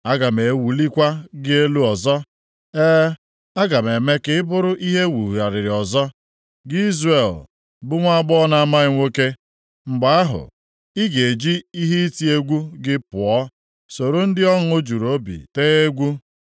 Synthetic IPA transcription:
a˦ɡa˨me˨wu˨li˦kʷa˦ɡɪ˦e˦lu˦ɔ˨zɔ˦ | eː˦ | a˦ɡa˨m˨e˨me˦kɪ˦ɪ˦bʊ˦ɾʊ˦ʔi˦ɦe˦wu˨ja˨ɾɪ˨ɾɪ˨ɔ˨zɔ˦ | ɡɪ˦i˦zre˨l | bʊ˦ŋʷa˦a˦ɡ͡bɔ˦na˦a˦ma˦ɪ˦ŋʷo˦ke˦ | ŋ͡m̩˨ɡ͡ba˨a˦ɦʊ̰˨ | ɪ˦ɡe˨d͡ʒi˦i˦ɦe˦i˦ti˦e˦ɡʷu˦ɡɪ˦pʊ˨ɔ˦ | so˨ɾo˦n̩˦dɪ˦ɔ˦ŋ̩˦o˦d͡ʒu˨ɾo˦bḭ˨te˦e˦ɡʷu˦

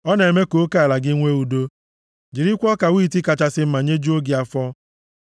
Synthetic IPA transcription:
ɔ˦n˨e˨me˦ko˦ka˦a˨la˨ɡɪ˦ŋʷe˦u˨do˦ | d͡ʒi˨ɾi˦kʷɔ˦ka˨wiː˦˨ti˦ka˨t͡ʃa˦sɪ˦m̩˦ma˨ɲe˦d͡ʒu˦o˦ɡɪ˨a˨fɔ˦

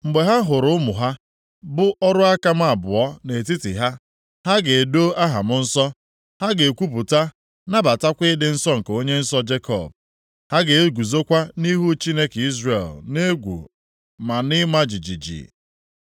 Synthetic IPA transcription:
mŋ͡m̩˨ɡ͡be˨ɦa˦ɦʊ˨ɾʊ˦ʊ˦mʊ˨ɦa˦ | bʊ˦ɔ˦ɾʊ˦a˦ka˦m̩˦a˨bʊ̰˨ɔ˦ne˨t̬i˦tɪ̰˨ɦa˦ | ha˦ɡe˨do˦ʔa˦ɦa̰˨mʊ˦n̩˦sɔ˦ | ha˦ɡe˨kʷu˦p̬ʊ˨ta˦ | na˦ba˨ta˦kʷɪ˦dɪ˦n̩˦sɔ˦ŋ̩˨ko˦ɲe˦n̩˦sɔ˦d͡ʒe˦kʰɔ̰˦˨b̚ | ha˦ɡe˨e˦ɡʷu˨zo˦kʷa˦ni˦ɦu˦t͡ʃi˦ne˦ki˦zrḛ˨lne˦ɡʷṵ˨ | ma˨nɪ˦ma˦d͡ʒi˨d͡ʒḭ˨d͡ʒḭ˨

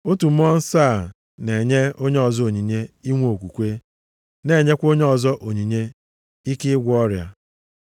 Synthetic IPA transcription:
o˦tu˨m̩˦ɔ˦n̩˦saː˦˨ | ne˨ɲe˦o˦ɲe˦ɔ˨zɔ˦o˨ɲi˨ɲe˦i˦ŋʷ˦o˨kʷu˨kʷe˦ | ne˨ɲe˦kʷo˦ɲe˦ɔ˨zɔ˦ʔo˨ɲi˨ɲe˦ | i˦kɪ˦ɡʷɔ˦ɾja̰˦

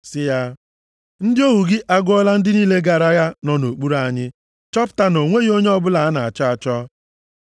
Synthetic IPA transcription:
sɪ˦ja˦ | n̩˦dɪ˦o˦wu˨ɡɪ˦ʔa˦ɡʊ˦ɔ˦la˦n̩˦dɪ˦niː˦le˦ɡa˨ɾa˦ɣa˦nɔ˨no˨k͡pu˦ɾa˨ɲɪ˦ | t͡ʃɔ˦pʊ̥˨ta˦no˨ŋʷe˦ɣo˦ɲe˦ɔ˦bʊ˦la˨a˦na˨a˨t͡ʃa˦a˨t͡ʃɔ˦

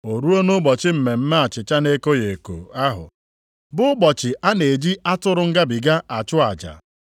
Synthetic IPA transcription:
o˨ɾu˦o˦no˦bɔ˨t͡ʃɪ˦m̩˨me˨m̩˦ma˦a˨t͡ʃɪ˨t͡ʃa˦ne˦ko˦je˨ko̰˨a˦ɦʊ̰˨ | bʊ˦ʊ˦bɔ˨t͡ʃɪ˨a˦ne˨d͡ʒi˦a˦tʊ˦ɾʊ˦ŋ̩˦ɡa˦bi˨ɡa˦a˨t͡ʃʊ˦a˨d͡ʒa̰˨

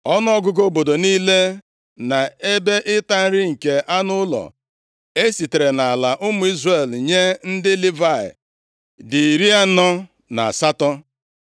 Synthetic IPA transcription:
ɔ˦n˦ɔ˦ɡʊ˦ɡo˦bo˨do˨niː˦le˦ | na˨e˦be˦ʔɪ˦ta˦n̩˦ɾɪ˦ŋ̩˨ke˨ʔa˦nʊ˦ʊ˦lɔ̰˨ | e˦si˨te˨ɾe˨na˨a˨la˨ʔʊ˦mʊ˨˦i˦zre˨lɲe˦n̩˦dɪ˦li˦va˦˨ɪ̰˨ | dɪ˨ɾi˦a˦nɔ˦ | na̰˨a̰˨sa˦tɔ˦

